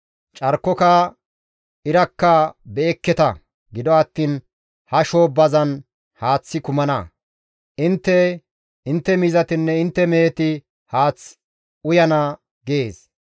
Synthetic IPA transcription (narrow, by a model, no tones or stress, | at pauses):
t͡ʃʼɐɾkːɔkɐ | ɪɾɐkːɐbeːkːɛt̪ɐ | ɡɪd̪ɔɐt̪ːiːn | hɐʃoːbɐzɐn | haːt͡sːɪkʊmɐnɐ̰ | ʔɪnt̪ːɛ | ɪnt̪ːɛmizɐt̪ɪnːɛɪnt̪ːɛmeːt̪ɪ | haːt͡s | ʊjɐnɐ | ɡeːs